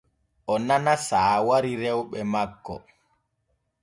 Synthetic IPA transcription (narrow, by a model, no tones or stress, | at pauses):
ʔɔnanasaːwaɾiɾɛwɓɛmakːɔ̰